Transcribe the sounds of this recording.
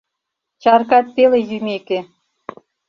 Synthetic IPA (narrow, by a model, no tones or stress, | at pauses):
t͡ɕɑrkɑt̪ːelejymeke